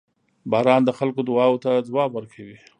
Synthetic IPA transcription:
bɑɾɑnd̪əxalkod̪ʊwɑwt̪ad͡zwɑbwəɾkʰawi

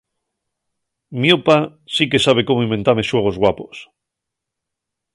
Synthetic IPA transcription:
miopa | sike̞saβ̞e̞ko̞moĩmbe̞nt̪aɾme̞swe̞ɣ̞o̞zɣwapo̞s

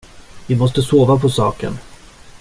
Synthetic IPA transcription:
vɪmɔst̪əsoːvapʰɔsɑːkə̰n

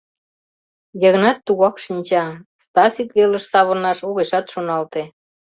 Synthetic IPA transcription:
jəɣnɑt̪ːuɣɑkʃinʲt͡ɕɑst̪ɑsikβeləʃsɑβonɑʃoɣeʃɑt̪ʃonɑlt̪e

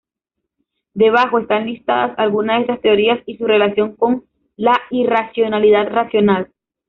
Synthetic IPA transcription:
d̪e̞β̞axo̞e̞st̪anlist̪aðasalɣunazesast̪e̞o̞ɾiasisure̞lasjo̞ŋko̞n | lairasjo̞naliðad̪rasjo̞nal

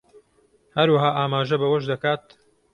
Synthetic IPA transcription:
hɐɾwaɦaːʔaːmaːʒɐbɐwɐʃd̪ɐkaːt̪̚

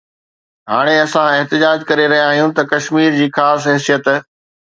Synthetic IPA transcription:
ɦaːɽ̃eɐsãɪɦt̪ɪd͡ʑaːd͡ʑkɐɾeɾɐɦijãːɦijũt̪ɐkɐʃmiːɾd͡ʑiːxaːsɦɛːsijət̪

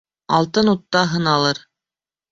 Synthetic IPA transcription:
ɑlˠt̪ɤnut̪ːɑɦɤnɑlˠɤɾ

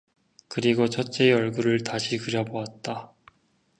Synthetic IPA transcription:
kɯɾiɡot͡ɕʰʌt͡ɕ͈e̞ʌɭɡuɾɯɭtaɕʰikɯɾjʌboat̚t͈a

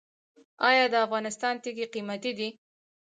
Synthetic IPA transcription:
ɑjɑd̪əafɣɑnɪst̪ɑnt̪iɡiqimat̪id̪i

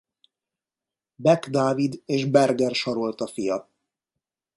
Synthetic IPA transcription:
bɛɡd̪aːvid̪eːʒbɛrɡɛrʃɒɾo̞lt̪ɒfijɒ

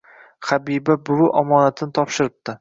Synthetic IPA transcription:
χabibabʊɾʊʔɒmɒnat̪ʰɪnɪt̪ʰɒpʃɪɾɪb̚t̪ɪ

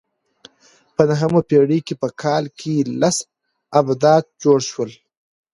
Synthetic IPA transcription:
pənaɦəmapeɽikepəkʰɑlkʰelas | abd̪ɑd̪̚d͡ʒoɽʃwəl

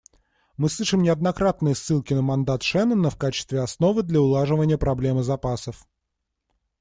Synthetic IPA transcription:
mɨslˠɨʂɨmnʲɪɐd̪nɐkɾat̪nɨjəsːɨlˠkʲɪnəmɐnd̪at̪ʂɛnənəfkat͡ɕɪ̥st̪vʲɪɐsno̞vɨd̪lʲəʊlˠaʐɨvənʲɪjəpɾɐblʲe̞mɨzɐpasəf

